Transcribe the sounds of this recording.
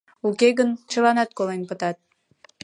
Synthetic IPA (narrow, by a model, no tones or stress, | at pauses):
ukeɣənt͡ɕəlɑnɑt̪̚kolenpət̪ɑt̪̚